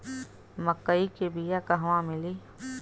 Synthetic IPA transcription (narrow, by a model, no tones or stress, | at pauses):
məkːəikebijakɐɦʋãmɪliː